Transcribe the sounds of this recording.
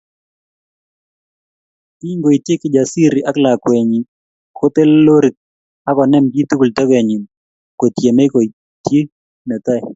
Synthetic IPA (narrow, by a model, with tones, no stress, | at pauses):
i˦ŋɡo˨i˨t̪je˦kɪ˦d͡ʒa˨si˦ɾi˨ʔa˦kla˨kwe˨ɲi˨ | kʰo˦t̪e˦llo˦ɾi˨k̚ | a˦kɔ˨nɛ˦mbi˦t̪u˦ku˨ltɔ˦ke˨ɲi˨m | ko˨t̪je˨me˦ko˨i˨ | tje˦ | nɛ˨t̪a˦j